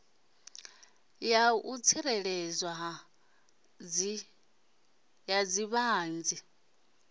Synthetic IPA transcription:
jaut͡sʰiɾɛɺɛd͡zwaɦ | jad͡ziβaɦːnd͡zi

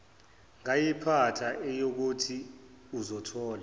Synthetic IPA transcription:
ŋajipʰatʰaʔɛjok̬utʰi | uzɔtʰɔːla

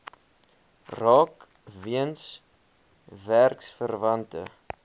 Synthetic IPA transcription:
rɑːk | viəns | værksfərvɐntə̰

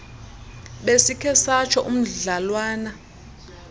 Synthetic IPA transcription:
ɓesikʰɛsat͡ʃʰɔʔum̩ɮalwaːna

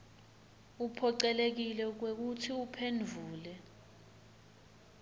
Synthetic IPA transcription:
upʰɔǀɛlek̬ilɛk̬wek̬utʰiupʰend͡vʱuːlɛ

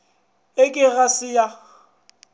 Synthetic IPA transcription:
ɪkʼɪɣasɪja

